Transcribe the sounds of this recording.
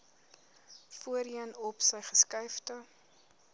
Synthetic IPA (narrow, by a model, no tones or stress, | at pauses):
fuəɾiənɔpsəjχəskɐjftə